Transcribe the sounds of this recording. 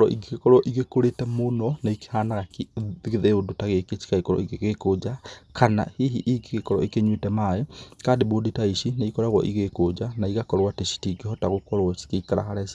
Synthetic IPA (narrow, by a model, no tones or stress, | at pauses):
ɾɔʔiɡiekɔɾɔʔiɣekoɾetɛmonɔnaiki̥haːnaɣakiɣiðeodotaɣeket͡ʃi̥kaikɔɾɔ̰iɣeɣekod͡ʒakʰana̰hiɦiʔikiɣekɔɾɔ̰ikeɲwitɛmajekaːndeβoditaiʃinaikɔɾaɣɔ̰ʔiɣekod͡ʒanaiɣakɔɾwateʃi̥tiɡihɔtaɣokɔɾwɔt͡ʃi̥keikaɾa̰haɾesi̥